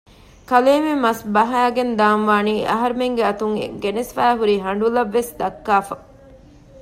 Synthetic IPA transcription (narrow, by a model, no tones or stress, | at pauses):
kɐleːmemɐsbɐɦɐæːɡend̪aːnʋaːniːʔɐ̰ɦɐɾumeŋɡeɐt̪uŋḛɡenesfæːɦuɾiːɦɐɳɖulɐʋːesd̪ɐkːaːfɐ